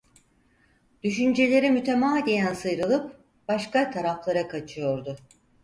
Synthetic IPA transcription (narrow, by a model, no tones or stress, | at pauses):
d̪̥yʃynd͡ʒe̞lʲe̞ɾimyt̪ʰemaːd̪ijænsɯjɾɯlˠɯp | b̥aʃkat̪ʰaɾaflˠaɾakʰat͡ʃʰɯjo̞ɾd̪ʊ